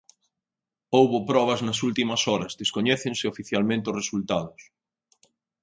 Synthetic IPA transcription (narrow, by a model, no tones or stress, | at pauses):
owβopɾɔβ̞ɐznɐsult̪imɐsɔɾɐzðeskoɲɛθensɪofiθjalmẽnt̪ɪoresult̪aðʊs